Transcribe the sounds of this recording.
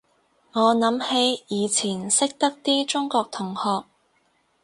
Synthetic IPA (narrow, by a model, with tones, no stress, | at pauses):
ŋɔː˨˧nɐ˨˧˥mhe˨˧jjiː˨˧t͡sʰiː˨˩nsɪ˥k̚t̪ɐ˥k̚t̪iː˥t͡ʃʊ˥ŋkɔː˧k̚t̪ʰʊ˨˩ŋhɔː˧k̚